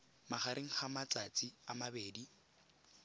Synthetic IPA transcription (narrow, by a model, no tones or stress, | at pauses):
maχaɾʔeŋ̩χamat͡sʼat͡sʼiamabeːdi